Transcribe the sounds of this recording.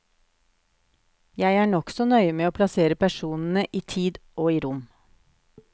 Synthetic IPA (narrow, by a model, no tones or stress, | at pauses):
jæɪæːɳɔksɔnœʏəmeːoːpʰlɑseːɾəpʰæʃuːnn̩əʔiːt̪ʰiːd̪oːiːɾʊm